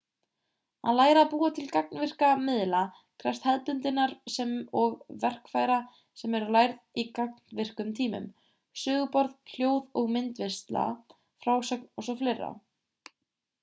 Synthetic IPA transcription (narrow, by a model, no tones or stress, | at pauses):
a̰ðlaːjɾapuːat̪ʰɪlkak̚nvɪr̥kamɪðla | kʰɾɛ̥st̪hɛðpʏnt̪ɪnːaɾsɛmɔɣvɛr̥kfajɾa | sɛmɛɾʏlajɾðikak̚nvɪr̥kʏmt̪ʰiːmʏ̰m | sʏːɣʏpɔɾðʰl̥joːwðɔɣmɪnt̪vɪst̪la̰ | fɾaːwsœknɔsɔflejrːa̰